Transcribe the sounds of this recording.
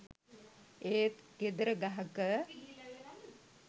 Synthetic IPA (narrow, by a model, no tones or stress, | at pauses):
eːt̪ked̪əɾəɡaɦəkə